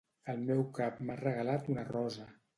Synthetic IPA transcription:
əlˠmɛwkapmarəɣəlat̪unərɔzə

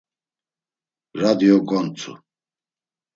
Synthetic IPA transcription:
ɾad̪iɔkʼɔnt͡sʰṵ

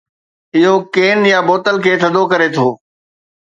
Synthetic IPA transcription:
ɪɦokeːnjaboːt̪əlkʰeːt̪ʰɐd̪ʱokɐɾet̪ʰoː

